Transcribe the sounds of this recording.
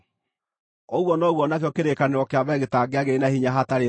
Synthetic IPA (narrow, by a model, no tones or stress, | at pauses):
oɣwɔnɔɣwɔnakjɔkeɾekaneɔkeaβɛɣetaɡeaɣeɾenahiɲaɦataɾe